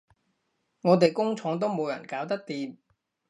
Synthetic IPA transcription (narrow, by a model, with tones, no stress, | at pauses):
ŋɔː˨˧t̪e˨jkʊ˥ŋt͡ʃʰɔː˨˥ŋt̪o˥wmo˨˧wjɐ̰˨˩nkaː˨˥wt̪ɐ˥k̚t̪iː˨˧m